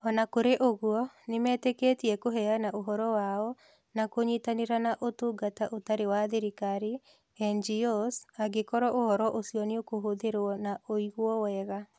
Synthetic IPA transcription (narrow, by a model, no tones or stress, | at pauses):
ɔnakoɾeʔoɣwɔ | nemɛːtekeːtiɛkoɦɛanaʔoɦɔɾɔwaɔ | nakoɲitaneɾanaʔotoɡataʔotaɾewaðeɾikaɾi | ɛnd͡ʒiɔsaɡekɔɾɔʔohɔɾɔʔosjɔneokoɦoðeɾwɔnaoiɣwɔwɛɣa